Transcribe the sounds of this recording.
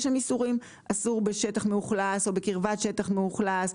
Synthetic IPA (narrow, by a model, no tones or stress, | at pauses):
ʃemisuʁim | asuʁbeʃetaχmeuχlaso̞bekiʁvatʃe̞taχmeuχlas